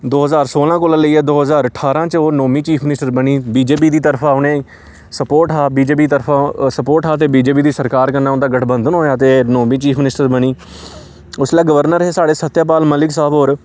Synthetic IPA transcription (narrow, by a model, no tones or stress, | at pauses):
d̪oːɦəzaːɾsoːlãːkoːlãːləiːɛːd̪oːɦəzaːɾəʈʰːaːɾãːt͡ʃoːnoːmiːt͡ʃiːpʰmɪnɪsʈəɾbəñiːbiːd͡ʒeːp̬iːd̪iːt̪əɾpʰaːʊnẽː | səpoːʈaːbiːd͡ʒeːp̬iːt̪əɾpʰaːsəpoːʈaːt̪̬eːbiːd͡ʒeːp̬iːd̪iːsəɾkaːɾkəɾnːaːʊnd̪aːɡəʈʰbənd̪ənɦoːjaːt̪eːnoːmiːt͡ʃiːpʰmɪnɪsʈəɾbəniː | ʊslaːɡəʋəɾnəɾɦeːsaːɽeːsət̪ːjaːp̬aːlməlɪksaːbɦoːɾ